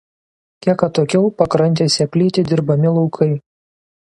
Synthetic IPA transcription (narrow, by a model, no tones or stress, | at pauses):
kʲiɛkɐt̪oːkʲɛʊpɐkɾɐnʲt̪ʲeːsʲɛpʲlʲiːt̪ʲɪd̪ʲɪɾbɐmʲɪlˠɒʊkʰɐɪ